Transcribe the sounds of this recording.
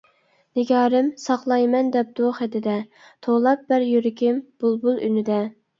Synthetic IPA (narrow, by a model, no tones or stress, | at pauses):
nɪɡʲɑːɾɪmsɑqlˠɑjmɛnd̪ɛp̚d̪̥oχɛd̪ɪd̪ɛ | t̪ʰolˠɑp̚bɪɾjyɾɪkʲʰɪmb̥ulˠbulˠy̰nɪd̪ɛ